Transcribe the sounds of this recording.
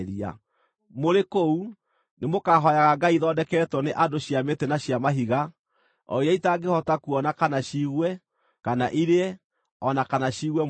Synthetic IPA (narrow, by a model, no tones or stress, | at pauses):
ɾia̰ | moɾekou | nemokaɦɔjaɣaɡaiðɔːdɛkɛːtwɔneʔadoɕjametɛnaɕjamaɦiɣa | ɔ̰iɛitaɡehɔtakuɔnakanaɕiɣwɛ | kanaʔiɾeɛ | ɔnakanaɕiɣwɛ